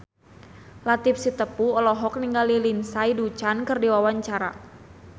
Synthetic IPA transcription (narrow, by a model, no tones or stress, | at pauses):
lat̪ip̚sit̪əpuɔlɔɦɔk̚niŋɡalilinsaidut͡ʃankɨrdiwawaɲt͡ʃaɾa̰